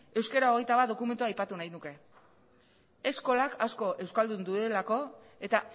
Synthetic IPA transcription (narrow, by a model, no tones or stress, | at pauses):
e̞wskeɾaoɣ̞e̞jt̪aβat̪̚d̪o̞kume̞nt̪uajpat̪unajnuke̞ | esko̞lakasko̞ʔe̞wskald̪und̪uðe̞lako̞ | e̞t̪a